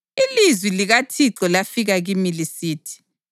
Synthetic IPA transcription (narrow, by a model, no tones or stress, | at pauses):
ilizwiliɣatʰiǁɔlafiɣaɣimilisiːtʰi̥